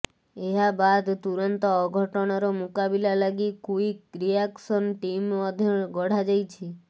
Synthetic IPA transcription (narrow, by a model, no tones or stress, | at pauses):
eɦabad̪t̪uɾɔnt̪ɔːɡʱɔʈɔɽ̃aɾomukabilalaɡikuiɾiaksɔnʈimɔd̪ʱɔɡɔɽ̤ad͡ʒajt͡ʃʰi